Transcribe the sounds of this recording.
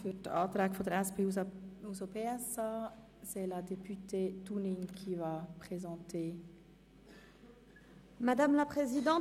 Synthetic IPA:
fyt̪a̰t̪ɾakfod̪ɾaspeuzopeɛsa | sɛlad̪epyt̪et̪uniɲkʲʰivapχezɑ̃t̪ʰe | mad̪amlapχezid̪ɑ̃

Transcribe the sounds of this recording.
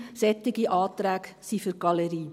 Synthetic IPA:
sɛt̪ːɪɡiʔɑːtɾæːk | sifyɾɡ̥ɑləɾiː

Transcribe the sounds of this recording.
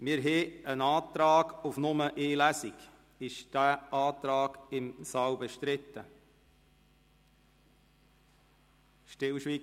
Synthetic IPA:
mɪɾɦɛːənɑːt̪ɾɑːɡufnʊməʔeːlæsiɡ | ɪʃd̥æːʔɑːt̪ɾɑːɡ̥ɪmsɑːwbɛʃt̪ɾɪt̪ːə | ʃtɪlʃʋiː

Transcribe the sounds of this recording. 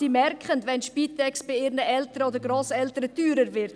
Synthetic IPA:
iːmɛrkʰχəntʋɛnʃpiːt̪ʰɛksb̥ɪɪːɾnəʔɛltəɾəoːdəɾɡɾoːsɛltəɾədyːɾəɾvɪɾt

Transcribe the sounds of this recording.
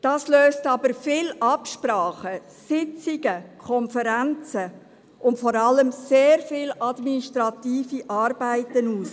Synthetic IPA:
d̥ɑːsløːstɑbəɾfɪlʔɑpʃpɾɑːχə | sɪt͡sɪɡ̥əkʰɔnfəɾænt͡sə | ʔʊntfɔɾɑləmseːɾfɪlɑdminiʃtɾɑtiːfiʔɑːɾbaæɪtənuːs

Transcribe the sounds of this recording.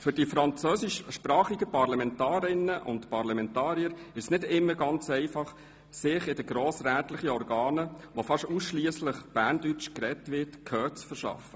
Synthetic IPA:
fʏɾdifɾɑnt͡søːsɪʃʃpɾɑːχiɡəpɑɾlɑmɛntɑːɾɪnːəʔʊ̰ntpɑɾlɑmɛntɑːɾiəɾɪʃsnɪdɪmːəɾɡɑnt͡sɛɪfɑχ | sɪχɪdəɡɾoːsɾæːtləχəɔɾɡɑːnəʋofɑʃtusʃliəsləχb̥æːɾndyt͡ʃkɾɛtʋɪtkʰœːt͡sfəɾʃɑ̰fə

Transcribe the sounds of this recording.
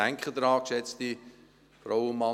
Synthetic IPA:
æŋkʰχəd̪ɾɑːkʃɛt͡sti | fɾaʊənmɑ

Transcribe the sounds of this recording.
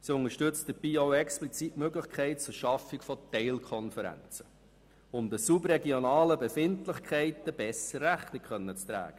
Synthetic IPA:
siʊnəʃtʏt͡std̥əb̥iːoʊɛksplit͡sitmøɡlɪχkʰχɛɪt̚t͡sʊɾʃɑfɪkfɔtɛɪlkʰɔnfəɾæ̰nt͡sə̥ | ʊmdəsubrɛɡionɑːləbefɪntlɪχkʰɛɪtəb̥ɛsəæχnɪkχœnːət͡st̪ɾæ̰ːɡ̥ə

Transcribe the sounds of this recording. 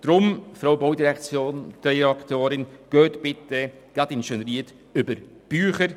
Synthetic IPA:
d̥ɾʊmfɾawbowdiɾɛkt͡sjoːnd̥ɛakt̪oːɾɪnɡ̥øːt̪b̥ɪtɛ | ɡ̥atɪnʃɛnɾiːt | ʏbəɾ | b̥yːχəɾ

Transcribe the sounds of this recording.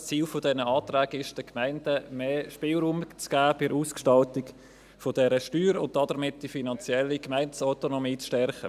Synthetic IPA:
t͡siːlfodɛnəɑːtræːɡɪʃd̥əkmæɪndəmeːʃpɪːlɾuːmt͡sɡ̥æːpɪɾuːskʃtɑltɪk | fodɛɾəʃtyːɾʊnt̚dɑdəɾmɪt̚d̥ifinɑnt͡sjɛlːikmæɪnsaʊtonomiːt͡sʃtɛɾχə

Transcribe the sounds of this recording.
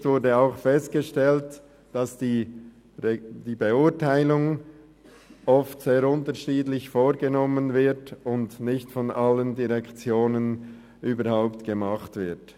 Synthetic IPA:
tv̥ʊɾdəaʊxfɛst̚ɡ̥əʃtɛlt | d̥ɑsd̥iː | d̥iːbeʊɐtaɪlʊŋ | ɔftseːɾʊntəʃiːdlɪçfoːʁɡənɔmənvɪɾtʊndnɪçtfɔnʔaləndiʁɛkt͡sjoːnən | ʔyːbəɾhaʊptɡ̥əmaχtv̥ɪɐt

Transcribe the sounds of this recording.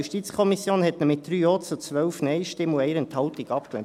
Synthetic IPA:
uʃtit͡skʰɔmisjoːnhɛt̪nəmɪt̚d̪̥ɾyːoːt͡sʊt͡sʋœʊfnɛɪʃtɪmuɛɪɾənt̪hɑwt̪iɡɑpklɛ

